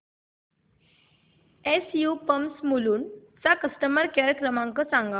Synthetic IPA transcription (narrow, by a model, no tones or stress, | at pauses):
esjupəmsmuluːnt͡sakəsʈəməɾkeɾkɾəmãŋkəsãŋɡa